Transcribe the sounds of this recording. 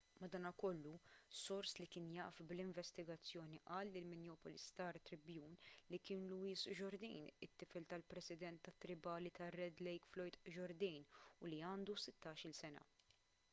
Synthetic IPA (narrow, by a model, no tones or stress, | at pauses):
mɐd̪ɐːnɐkɔlːusɔɾslikɪːnjɐʔfblɪɱvɛst̪ɪɡɐt͡sːjɔːniʔɐːlːɪlmɪnjɔːpɔlḭst̪ɐːɾt̪ɾɪbjuːnlikɪːnluɪːsd͡ʒɔɾd̪iːnɪt̪ːɪfɛlt̪ɐlpɾɛsɪd̪ɛnt̪ːɐt̪ːɾɪbɐːlit̪ɐrːɛd̪lɛjkflɔjt̪d͡ʒɔɾd̪ɛːnʊliɐːnd̪usɪt̪ːɐːʃɪlsɛnɐ̰